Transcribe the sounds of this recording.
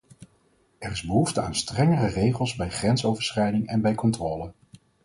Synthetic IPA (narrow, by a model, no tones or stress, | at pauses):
ɛrɪzbəɦuftəa̰ːnstrɛŋərərejχəlˠzbɛjχrɛnsowvəɹsχɛjdɪŋɛnbɛjkɔntroːlə